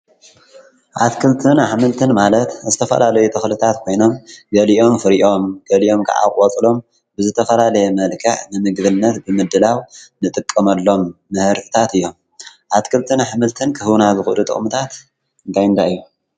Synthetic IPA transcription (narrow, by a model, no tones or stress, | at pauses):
ʔat̪kʰɨlt̪ʰɨnaħmɨlt̪ʰɨnmalɐt̪zɨt̪ʰɐfɐ̰lalɐjut̪ʰɐxlɨt̪ʰat̪kʰo̞jno̞mɡɐliʔo̞mfɨɾiʔo̞mɡ̥ɐliʔo̞mkʰɐ̰ʔa̰kʼot͡sʼlo̞m | bɨzɨt̪ʰɐfɐlalɐjɛmɐlkʰɐħnɨmɨɡdɨnːɐt̪bɨmɨd̪ɨlawnɨt̪ʼɨkʼːɐmɐlːo̞mːɨhɨɾt̪ʰɨ̥t̪ʰat̪ɨjːom | ʔat̪kʰɨlt̪ʰɨnaħmɨlt̪ʰɨnkʰɨhɨwnazɨxɨlut̪ʼɨ̰χʼmɨt̪ʰat̪ | ɨnt̪ʰajɨnt̪ʰaɨjːu